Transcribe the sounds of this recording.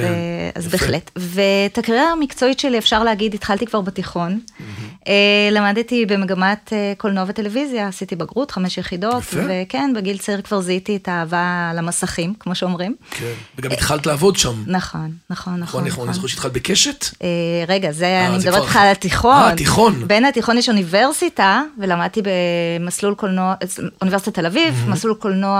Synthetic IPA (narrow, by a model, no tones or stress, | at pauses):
ea̰zbeːχletvetakaʁiamikt͡so̞itʃeliefʃaʁleaɡiditχaltikvaʁbatiχo̞n | elamadtibe̞meɡamateko̞lnoavete̞levizjaːsitibaɡʁut̪χameʃjeχido̞tvekenbeɡilt͡saiʁkvaʁzaititaːvalamasaχimkmo̞ʃeo̞mʁimkeveɡamitχaltlaːvo̞dʃamnaχo̞nːaχo̞nːaniozuʃit̪χalbekeʃet̪ʔeʁeɡazeanimedɐbetleχalat̪iχontiχonbenhatiχo̞njeʃunive̞ʁsitavelamad̪̚t̪ibemaslulkolnoaunivesit̪ate̞lavivmaslulkolnoa